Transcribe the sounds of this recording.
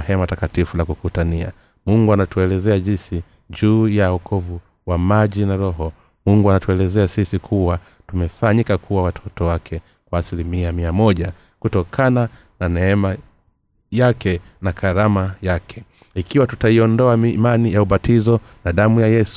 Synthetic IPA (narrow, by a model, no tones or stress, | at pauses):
hɛmatakatifulakukutania̰ | muŋɡuanatuɛlɛzɛaʄinsi | ʄuːjaɔkʰɔvu | wamaʄinaɾɔɦɔ | muŋɡuanatuɛlɛzɛasisikʰuwa | tumɛfaɲikakʰuwawatʰɔtɔwakʰɛ | kwaːsilimiamiamɔʄa | kutɔkʰana | nanɛɛma | jakɛnakʰaɾamajakʰɛ̥ | ikiwatu̥taiɔndɔamimanijauɓatizɔnaɗamujajɛsu̥